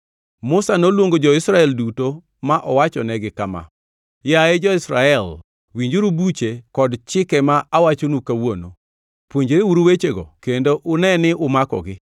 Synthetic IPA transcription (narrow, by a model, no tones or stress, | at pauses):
mʊsanolwoŋɡod͡ʒɔɪsɾaɛlduto | maʔɔwat͡ʃɔnɛɡɪkama̰ | jaed͡ʒɔɪsɾaɛl | wiɲd͡ʒoɾubut͡ʃekɔdt͡ʃɪkɛmaʔawat͡ʃonukawono̰ | pwoɲd͡ʒɾewuɾuwet͡ʃeɡɔ̰kendoʔʊnɛnɪʔʊmakɔ̰ɡɪ